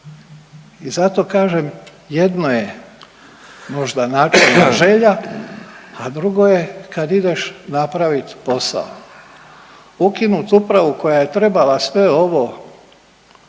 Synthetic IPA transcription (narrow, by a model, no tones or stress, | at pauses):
izat̪o̞ːkaːʒem | je̞d̪noje | mo̞ʒd̪anaːt͡ʃeaʒe̞ʎa | ad̪ɾuɡo̞jekad̪id̪eʃnapɾaʋit̪po̞sa̰o̰ | ukinut̪upɾaʋuko̞jaje̞t̪ɾe̞balasʋe̞o̞ʋo̞